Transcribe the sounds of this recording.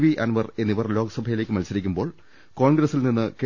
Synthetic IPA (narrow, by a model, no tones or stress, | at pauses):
ʋiʔɐnʋɐre̞nːiʋɐrlo̞ːɡɐsɐbʱɐjilekːɨmɐlsɐɾikʲːumbo̞ːɭ | ko̞ːɳɡɾɐsːilninːɨke